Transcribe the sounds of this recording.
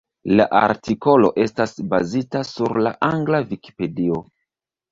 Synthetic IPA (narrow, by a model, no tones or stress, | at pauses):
la̰ʔa̰ɾtiko̞lo̞̰ʔe̞stasba̰zitasuɾla̰ʔaŋɡlaviki̥pe̞dio̞